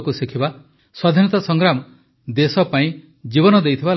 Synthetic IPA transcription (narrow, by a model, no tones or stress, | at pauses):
kusikʰiba | swad̪ʱinɔt̪asɔŋɡɾamɔ | d̪esɔpaĩ | d͡ʒibɔnɔd̪ejt̪ʰiba